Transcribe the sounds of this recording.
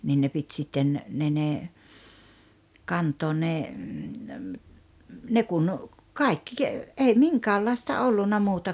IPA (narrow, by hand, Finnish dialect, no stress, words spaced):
nin ne pit sitːen ne ne kɑntˑoːn̆ ne ne kun kɑˑikːi ei miŋkæːlːɑistɑ olːunːɑ muːtɑ